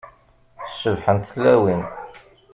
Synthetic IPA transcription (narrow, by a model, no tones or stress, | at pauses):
sːəvħənt̪θlːæwin